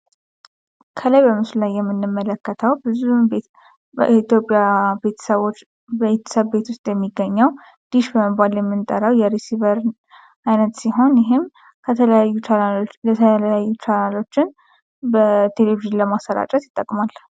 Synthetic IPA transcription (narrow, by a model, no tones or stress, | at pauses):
kʰəlajbəmɨslulajːɛmːɨnːɨmːələkːət̪ʰəwbɨzu | it̪jo̞pʼijabet̪ʰə̥səβot͡ʃː | et̪ʰə̥səβbe̞t̪wʊst̪ʼjɛmːiɡːəɲːəw | d̪̥iʃbəməbaljɛmːɨnt̪ʼəɾəwjɛɾesivəɾ | ajnət̪siɦo̞njɪɦɪm | kʰət̪ʰələjut͡ʃaət̪ʰələjajːut͡ʃʰanalo̞t͡ʃːɪn | bət̪ʰe̞leviʒɨnləmasːəɾa̰t͡ʃʼɛt̪jɪt̪ʼːəkʼmal